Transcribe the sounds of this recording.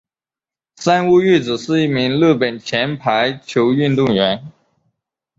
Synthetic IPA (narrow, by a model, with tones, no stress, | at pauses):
sa˥nu˥˧y˥˩t͡sɹ̩˨˩ʂɻ̩˥˧i˥˩mi˧˥ŋlɤ˥˩pə˨˩nt͡ɕʰjɛ˧˥npʰa˧˥ɪt͡ɕʰjo˧˥ʊy˥˧nt̪ʊ˥˩ŋɥɛ˧˥n